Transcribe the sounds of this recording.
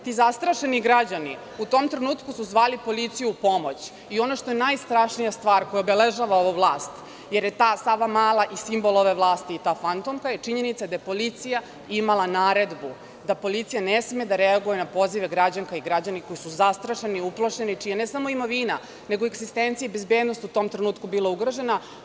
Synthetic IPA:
t̪izast̪ɾaʃe̞niɡɾad͡ʑani | ut̪omt̪ɾenuːt̪kusuzʋaːlipo̞lit̪sijupo̞mo̞t͡ɕ | io̞noʃt̪o̞enajst̪ɾaʃnijast̪ʋaːɾkojɛobeleʒaːʋao̞ʋuʋlˠaːst̪ | je̞ɾje̞t̪aːsaʋamaːlˠaʔisimbolˠoʋeʋlˠaːst̪iːt̪aːfant̪omkajet͡ʂiɲe̞nit̪sad̪ajepo̞lit̪sija | imalˠanaːɾe̞d̪bu | d̪apo̞lit̪sijanesme̞d̪aɾeaɡujenapo̞ziʋeɡɾad͡ʑaŋkaiɡɾad͡ʑaniko̞jisuzast̪ɾaʃeniuplˠoʃe̞nit͡ʂijanesamoimo̞ʋiːna | ne̞ɡoeɡzist̪ent̪sieibezbeːd̪no̞st̪ut̪o̞ːmt̪ɾenuːt̪kubilauɡɾoʒe̞na

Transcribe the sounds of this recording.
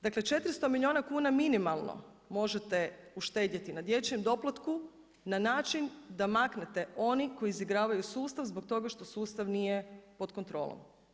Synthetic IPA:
d̪akle̞t͡ʃe̞t̪ɾist̪o̞milʲio̞ːnakuːnaminimalˠno̰ | mo̞ʒet̪e̞uʃt̪e̞ːd̪jat̪inad̪je̞t͡ɕemd̪o̞plat̪ku | nanaːt͡ʃind̪amaknet̪e̞o̞niko̞jiːziɡɾaːʋajusuːst̪aʋzbok̚t̪o̞ɡaʃt̪o̞suːst̪aʋnijepo̞d̪ko̞nt̪ɾo̞̰ːlo̰m

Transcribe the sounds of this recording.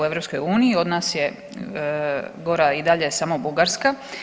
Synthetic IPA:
ueʋɾo̞psko̞juːnijio̞d̪naːsje̞ | ɡo̞ɾaid̪aʎe̞samo̞buɡaɾska

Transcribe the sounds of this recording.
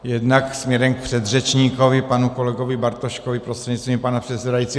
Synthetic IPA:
jɛd̪naksmɲɛɾɛmk̚pr̥ɛd̪rɛt͡ʃɲiːkovɪpanukolɛɡovɪbaɾt̪oʃkovɪpɾost̪r̥ɛɟɲitst̪vimpanapr̥ɛt̪sɛdajiːt̪t͡siː

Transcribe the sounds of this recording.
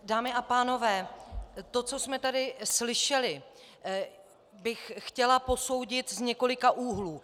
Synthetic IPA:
daːmɪapaːno̞vɛːt̪o̞t͡so̞smɛt̪adɪslɪʃɛlɪ | bɪxxcɛlapo̞so̞wɟɪt̪zɲɛko̞lɪkaʔuːɦluː

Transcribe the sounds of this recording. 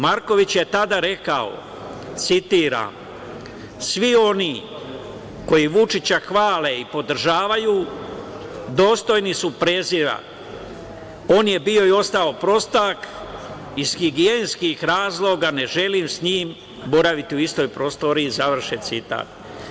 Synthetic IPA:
maɾko̞ʋit͡ɕje̞t̪ad̪aɾe̞kao̞̰ | t̪sit̪iːɾa̰m | sʋio̞ni | ko̞jiʋut͡ʃit͡ɕaxʋaːle̞ipo̞d̪r̩ʒaːʋajuː | d̪o̞ːst̪o̞jnisupɾe̞ziɾa̰ | o̞ːnje̞bio̞io̞st̪aopɾo̞st̪ak | iz̥xiɡijenskixɾaːzlˠo̞ɡane̞ʒe̞limsɲiːm | bo̞ɾaʋit̪iuist̪o̞jpɾo̞st̪o̞ɾiːzaʋr̩ʃet̪sit̪a̰ːt̪̚

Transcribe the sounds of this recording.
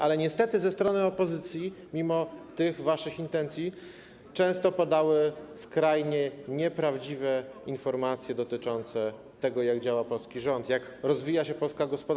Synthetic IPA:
ʔalɛɲɛst̪ɛt̪ɘzɛst̪ɾɔnɘɔpɔzɘt̪sʲjimʲimɔt̪ɘɣvaʂɘxint̪ɛnt̪sʲji | t͡ʂɛ̃w̃st̪ɔpad̪awɘskɾajɲɛɲɛpɾavd͡ʑivɛinfɔɾmat̪sʲjɛd̪ɔt̪ɘt͡ʂɔnt̪sɛ | t̪ɛɡɔjaɡd͡ʑawapɔlskʲiʐɔnt̪jakɾɔzvʲijaɕɛpɔlskaɡɔspɔd̪

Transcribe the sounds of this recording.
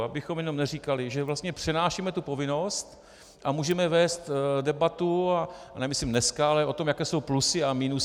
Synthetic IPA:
abɪxo̞mjɛno̞mnɛriːkalɪʒɛvlast̪ɲɛpr̝̥ɛnaːʃimɛt̪upo̞vɪno̞st̪ | ʔamuːʒɛmɛvɛːst̪dɛbat̪uanɛmɪslimnɛskaalɛo̞t̪o̞mjakɛːso̞wplusɪamiːnu

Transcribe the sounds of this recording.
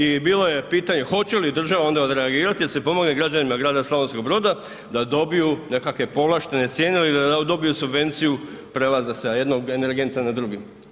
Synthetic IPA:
ibiːlo̞je̞piːt̪aɲe̞xo̞t͡ɕe̞lid̪r̩ʒaʋao̞nd̪aod̪ɾe̞aɡiːɾat̪id̪asepo̞mo̞ɡneɡɾad͡ʑanimaɡɾaːd̪asloʋonsko̞ɡ̚bɾo̞ːd̪a | d̪ad̪o̞bijune̞kakʋe̞po̞ʋlaʃt̪e̞ne̞t̪sje̞ːnelid̪aad̪o̞bijusubʋe̞nt̪siju | pɾe̞lazaseaje̞d̪no̞ɡe̞ne̞ɾɡe̞nt̪anad̪ɾuɡim

